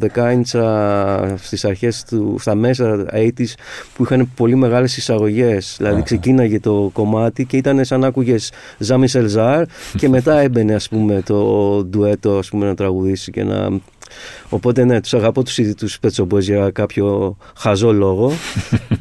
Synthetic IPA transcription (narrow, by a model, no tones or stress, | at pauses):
ðe̞kɐjnsɐ | st̪isɐɾçe̞st̪ust̪ɐme̞s̬ɐejt̪ispuixɐne̞po̞lime̞ɣɐle̞sisɐɣo̞ʝe̞sðilɐðikse̞cinnɐʝɐt̪o̞ko̞mɐt̪ice̞it̪ɐne̞sɐnɐkuʝe̞z | zɐmise̞lzɐɾce̞me̞t̪ɐe̞be̞ne̞ɐspume̞t̪o̞d̪ue̞t̪o̞ɐspume̞nɐt̪ɾɐɣuðisice̞̰nɐ̰ | o̞po̞t̪e̞ne̞t̪u̥sɐɣɐpo̞t̪u̥sit̪uspet͡so̞bezʝɐkɐpço̞xɐzo̞lo̞ɣo̞